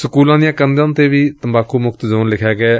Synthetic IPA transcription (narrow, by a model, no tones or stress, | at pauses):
səkuːlãːd̪ɪjãːkənd̪ãːnt̪eːʋiːt̪əmbaːkuːmʊkt̪d͡ʒoːnlɪkʰjaːɡɛː